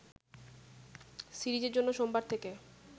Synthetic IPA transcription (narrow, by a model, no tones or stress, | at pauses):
siɾid͡ʑeɾd͡ʑonːoʃombaɾt̪ʰeke